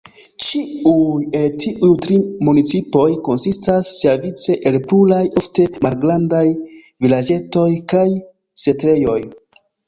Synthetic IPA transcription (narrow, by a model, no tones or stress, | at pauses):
t͡ʃiuje̞ltʰiʔujtɾimunit͡sipo̞jko̞nsistasːevit͡se̞ʔelplulajo̞fte̞malɡɾandaj | vilad͡ʒe̞to̞jkaj | se̞tɾe̞jo̞j